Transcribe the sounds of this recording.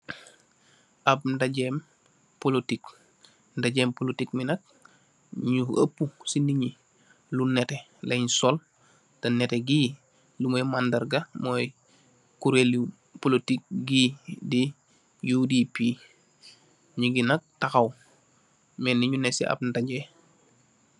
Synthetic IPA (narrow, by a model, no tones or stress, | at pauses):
ʔab̚ndaɟem | polotik | daɟempolotikminɐk̚ | ɲuɐ̰pːusindiɲi | lunete | leɲsol | tɐneteɡiː | lumojmandɐɾɡamoːj | kuɾeli | polotik̚ɡidi | judipi | ɲuɡinɐk̚taxaw | meniɲunesiʔa̰b̚ndaɟe